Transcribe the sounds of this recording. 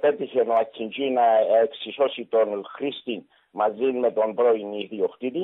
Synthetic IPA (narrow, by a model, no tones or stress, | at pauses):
pe̞t̪içenoacʰːind͡ʒunɐeksiso̞sit̪o̞nxɾist̪in | mɐzinme̞t̪o̞nbɾo̞iniðioxt̪it̪i